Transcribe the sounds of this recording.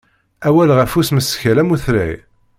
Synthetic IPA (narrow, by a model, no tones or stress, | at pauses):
æwælʁæfusməsçælæmuθɾæ̰j